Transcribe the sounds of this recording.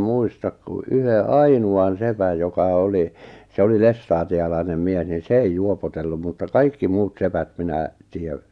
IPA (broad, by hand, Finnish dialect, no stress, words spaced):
muistɑk ku ʔyhe ɑinuɑn sepæj jokɑ oli se oli lestɑːtiɑlɑinem mies nin̞ se ei juopotelːum mutːɑ kɑikːi muːt sepæt minæ tiˑæ